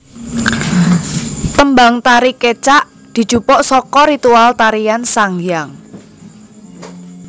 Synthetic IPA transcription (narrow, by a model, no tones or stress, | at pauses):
t̪əmbaŋt̪aɾiket͡ʃaʔ | d̪̥i̤̥d͡ʒ̥upɔʔsɔkɔɾit̪ualt̪aɾijansaŋjaŋ